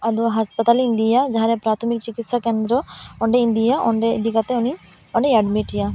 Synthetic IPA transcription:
ɐd̪uɦaspɐt̪ɐlind̪ijad͡ʒaːɾepɾaːt̪ʰɐmikt͡ʃikit̪sɐkeːnd̪ɾooɳɖeind̪ijaʔoɳɖḛd̪ikɐt̪euni | oɳɖeɐɖmiʈija

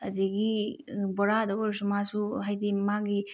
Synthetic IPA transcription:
ɐd̪iɡi | bɔɾadɔɡɔɾs̬umasuɦajd̪imaɡi

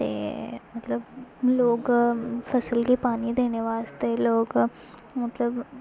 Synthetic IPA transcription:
t̪ḛːmɐt̪lɐbloːɡɐpʰɐsɐlkipaːniːd̪eniʋaːst̪ejloːɡ | mɐt̪lɐb

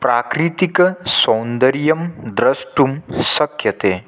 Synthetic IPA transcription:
pɾaːkɾit̪iksɐ̃wnd̪əɾijɐmd̪ɾɐsʈumsɐkʰjɐt̪eː

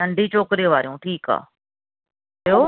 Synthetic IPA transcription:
ɐɳɖʱit͡ɕoːkɾijoʋaːɾijũʈʰiːka̰ː | joː

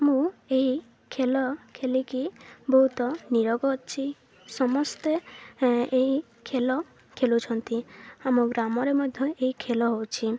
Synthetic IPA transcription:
amũeɦi | kʰelɔkʰelikibɔɦut̪ɔniɾɔɡɔt͡ʃʰi | sɔmɔst̪e | eɦi | kʰelɔ | kʰelut͡ʃʰɔnt̪iamuɡɾamɔɾemɔjd̪ʱjɔeɦikʰelɔɦowt͡ʃʰi

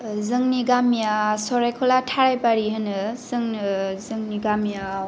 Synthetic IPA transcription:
zɯŋniɡamijasɔɾajkʰɔlatʰaɾajpaɾiɦɯnɯzɯŋnɯzɯŋniɡamija

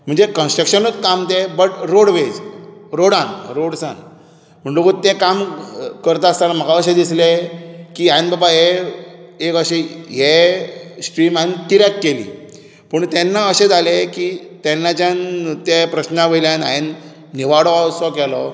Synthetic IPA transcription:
m̤əɳd͡zekənsʈɾəkɕənət͡skamt̪ebəʈɾoɽʋed͡zɾoɽãnɾoɽsã̰n | m̤əɳɖukut̪ekamkəɾt̪aːst̪anam̤əɡaəɕed̪islekiːainbabaɦe | ekəɕeɦe | sʈɾiːmaint̪iɾjakːelḭː | pəɳt̪ɛnːaəɕed͡z̪ʱalekit̪enːat͡ɕjãnt̪epɾəɕnaʋəjljana̰inː | iʋaɽɔasɔkɛlɔ

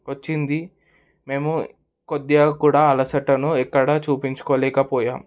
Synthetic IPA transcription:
ʋɐt͡ʃːind̪i | me̞ːmu | kod̪ijɐkuːɽaːɐlɐsɐʈːɐnuɛkːɐɽɐt͡ʃuːpiɲt͡ʃu̥koːlɛːkɐpɔːjaːm

